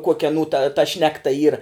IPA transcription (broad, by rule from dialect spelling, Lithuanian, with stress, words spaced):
ˈkuɔkʲɛ ɐˈnuː tɐ tɐ ˈʃʲnʲæːktɐ ˈiːrɐ